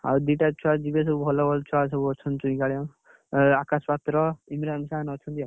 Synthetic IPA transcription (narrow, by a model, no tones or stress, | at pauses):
a̰d̪iʈat͡ʃʰuad͡ʒibes̬ɔbubʱɔlɔbʱɔlt͡ʃʰuasɔbuɔt͡ʃʰɔnt̪t͡ʃuĩkaɭjɔ̃ | akaspat̪ɾɔimɾamisanɔt͡ʃʰɔnt̪ia